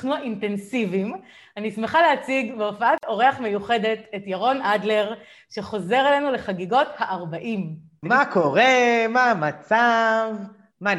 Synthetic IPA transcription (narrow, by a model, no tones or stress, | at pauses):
χnuaʔinte̞nsivim | anismeχaleat͡siɡbeofaato̞ʁe̞aχme̞juχe̞de̞tetjaʁo̞nʔadle̞ʁ | ʃe̞χo̞ze̞ʁelenule̞χaɡiɡo̞thaʔaʁbaʔim | makʰo̞ʁemamat͡sav | ma